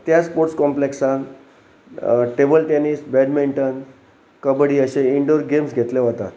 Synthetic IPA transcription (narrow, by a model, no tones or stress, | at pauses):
t̪jaspoɾʈskɔmpleksãn | ʈebəlʈɛnisbɛɖmiɳʈən | kəbɽiːəɕẽiɳɖoɾɡemsɡʱet̪leɦot̪a̰t̪